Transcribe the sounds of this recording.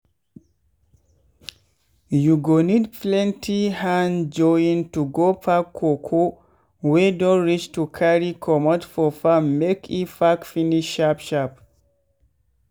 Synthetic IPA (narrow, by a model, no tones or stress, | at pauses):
juɡonidplɛ̃ntʰihãnd͡ʒɔjĩntuɡopʰakʰːokʰo | wedɔ̃nɹit͡ʃtukʰaɹikʰɔmɔtfɔfamːekʰifakfiniʃːapʃap